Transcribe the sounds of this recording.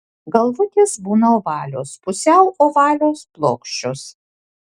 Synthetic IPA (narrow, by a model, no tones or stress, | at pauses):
ɡɐlˠʋʊt̪ʲeːsbuːnɐoʋɑːlʲo̰ːspʊsʲæʊʔoːʋɑːlʲoːsplˠoːkʃʲt͡ʃʲʊs